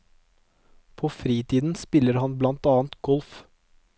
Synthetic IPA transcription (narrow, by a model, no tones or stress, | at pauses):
pʰoːfɾiːt̪ʰiːd̪n̩spɪləɾhɑnblɑnt̪ɑːnt̪ɡɔlf